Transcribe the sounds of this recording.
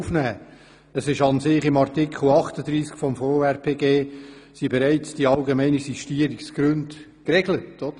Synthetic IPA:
ufnæː | əsɪʃɑnsɪχɪmɑɾtɪkχl̩ɑχtəd̪ɾiːskfɔmfoːɛɾpʰeːɡeːsibeɾæɪt͡sd̥iɑlɡemɛɪnisiʃtiːəɾiksɡ̥ɾɵnd | krɛɡlətod̥ə

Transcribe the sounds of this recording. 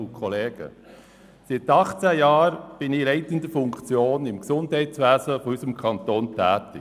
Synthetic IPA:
ʊkʰɔleːɡ̥ə̰ | sɪt̪ɑχt͡sæjɑːɾb̥ɪnɪɾɛɪtənd̪əfʊŋkt͡sjoːnɪmksʊndɦɛɪtt͡sʋæːzəfɔysəmkʰɑnt̪oːntʰɛːtɪ

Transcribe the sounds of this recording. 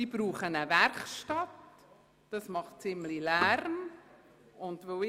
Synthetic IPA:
iːbɾuːχənəvɛɾkʃtɑt | d̥ɑsmɑχt̚t͡sɪmlilæɾm | ʊndvə

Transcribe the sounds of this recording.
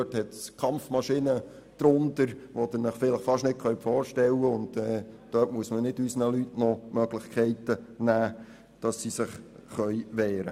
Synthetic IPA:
øthɛtskʰɑmfmɑʃɪnə | d̪̥ɾʊndəɾʋod̥̪ənəχfɪləχfɑʃnɪt̚kʰœɥpfɔːɾʃtɛlːəʊndɛːd̥œːtmuəsmənɪdysnəlytnɔmœɡlɪχkʰɛɪtənæː | d̥ɑsːisəχχœʏʋɛːɾə̰

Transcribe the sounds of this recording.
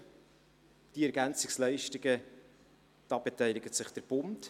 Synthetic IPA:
d̥iɛɾɡænt͡sɪkslɛɪʃtɪɡə | d̥ɑːbɛtɛɪlɪɡətsɪχd̥əɾb̥ʊnt

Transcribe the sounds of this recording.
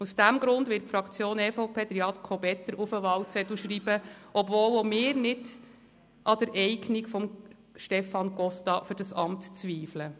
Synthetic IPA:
usd̥æmɡɾʊndʋɪt̚fɾɑkʰt͡sjoːnɛfoʊpʰeːd̥̪ɾiɑt̪kʰɔbɛt̪ːəɾufəʋɑwt͡sɛt̪uʃriːbəʔɔbvoːlomɪːɾnɪd | ʔɑd̥̪əɾʔɛɪɡnikfɔm | ʃtɛfɑnɡ̥ɔstɑfʏɾdɑsɑmtt͡sʋiːflə

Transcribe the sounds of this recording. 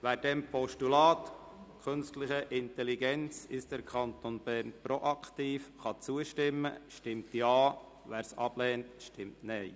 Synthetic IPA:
ʋæːɾd̥ɛmpʰɔʃtulɑːt | kʰχønstlɪχəʔɪnt̪ɛliɡɛnt͡sɪʃd̥əɾkʰɑnt̪onb̥ɛɾnpɾoʔɑkt̪iːfχɑt͡suəʃtɪmːə̰ʃtɪmtjɑː | ʋæːɾsɑ̰b̥lɛːntʃtɪmtnɛɪ

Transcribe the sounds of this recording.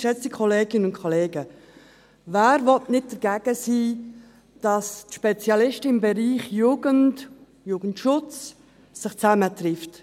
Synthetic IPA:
ʃɛt͡sikʰɔleːɡɪnənʊ̃nkʰoleːɡə | væːɾvɔtnɪt̚d̥əɾɡ̥æːɡ̥əsiː | d̥ɑstʃpɛt͡sjɑlɪʃtəɪmbɛɾiːχjuːɡənt | juːɡ̥ən̩tʃʊt͡sː | ɪχt͡sæmətrɪft

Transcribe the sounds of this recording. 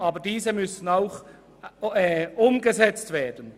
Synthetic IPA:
ɑːbədiːzəmʏsən̩aʊx | ʔʊmɡəzɛt͡stv̥eːɐd̥ən

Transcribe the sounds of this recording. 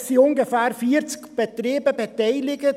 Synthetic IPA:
siʊnɡəfæːɾfiːəɾt͡skb̥et̪ɾeːbəbɛt̪aɪlɪɡət

